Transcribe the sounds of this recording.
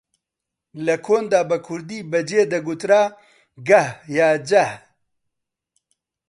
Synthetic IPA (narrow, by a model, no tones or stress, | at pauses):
lɐkʰoːnd̪aːbɐkʰʊɾd̪iːbɐd͡ʒeːd̪ɐɡut̪ɾaː | ɡɐhjaːd͡ʒɐh